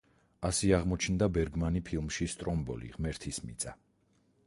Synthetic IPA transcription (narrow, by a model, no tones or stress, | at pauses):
asiaʁmɔt͡ʃʰnd̪abɛɾɡmanipʰilˠmʃist̪ʼɾɔmbɔ̰lḭʁmɛɾt̪ʰismit̪sʼa